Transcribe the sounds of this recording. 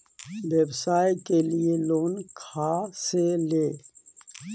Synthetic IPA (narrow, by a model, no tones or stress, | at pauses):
weːbsaːjkelieloːnkʰaːseleː